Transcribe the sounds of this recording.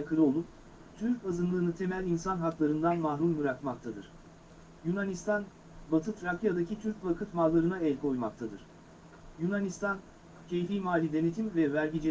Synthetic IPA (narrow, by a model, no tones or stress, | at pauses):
kʰɯɾɯo̞lˠup̚ | t̪ʰyɾcazɯnlˠɯɾɯnɯt̪ʰe̞mælʲinsanɦaklˠaɾɯnd̪anmahɾumːɯɾakmak̚t̪ʰad̪ɯɾ̥ | junanist̪ʰan | bat̪ʰɯt̪ɾakʰijad̪acʰit̪ʰyɾcvakʰɯt̪malˠːaɾɯnaɛlʲkʰo̞jmak̚t̪ʰad̪ɯɾ̥ | junanist̪ʰan | cʰe̞jfijmaːlʲid̪e̞ne̞t̪ʰimvɛvæɾɟid͡ʒe